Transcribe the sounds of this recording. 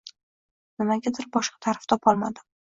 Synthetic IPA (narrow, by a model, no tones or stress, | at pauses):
nɪmaɡʲad̪ɪɾbɒʃqʰɑ̥t̪ʰaɾɪft̪ʰɒpʰɒlˠma̰d̪ɪ